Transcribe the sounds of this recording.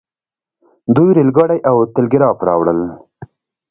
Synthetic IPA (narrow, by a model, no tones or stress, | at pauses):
d̪ujɾilɡɑɽajʔawt̪ɪlɡɪɾɑpɾɑ̰wɽə̰l